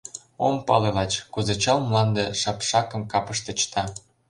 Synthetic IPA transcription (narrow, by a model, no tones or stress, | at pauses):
ompɑ̰lelɑt͡ɕkuzet͡ɕɑlmlɑnd̪eʃɑpʃɑkə̆mkɑpə̆ʃt̪ĕt͡ɕt̪ɑ